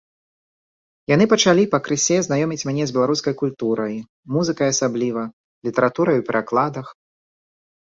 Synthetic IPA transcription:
janɨpɐt͡ʂalʲipɐkɾɨsʲɛznajɔmʲit͡sʲmʲnʲɛzʲbʲɛlˠaɾuskɐjkulʲt̪uɾɐj | muzɨkɐjasablʲivɐ | lʲit̪ɛɾat̪uɾɐjupʲɛɾaklˠad̪ɐx

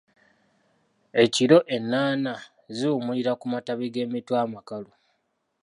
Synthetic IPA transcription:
e̞ciɾo̞ʔe̞nːaːna | ziːmuliɾakumataβeɡe̞ːmitwamakalo

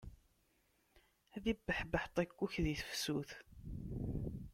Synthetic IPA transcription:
æðibːəħbəħt̪ˤækːuçðiθə̥fsuθ

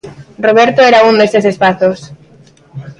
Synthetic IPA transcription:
rroβ̞eɾt̪oeɾaund̪esesespaθos

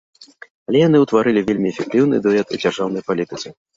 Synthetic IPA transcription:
ɐlʲɛjan̪ɨuwt̪vaɾɨlʲivʲelʲmʲiɛfʲɛk̚t̪ɨwnɨ̰d̪ɨɛt̪ṵd͡zʲarʐawn̪ɐjpalʲit̪ɨt̪sɨ

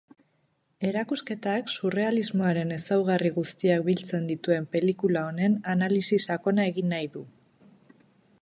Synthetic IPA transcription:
e̞ɾakuske̞t̪aksure̞alizmo̞aɾe̞ne̞sawɣ̞ariɣust̪iak̚bilt͡se̞nd̪it̪ue̞mpe̞likulao̞ne̞nanalisisako̞nae̞ɣinːajðu

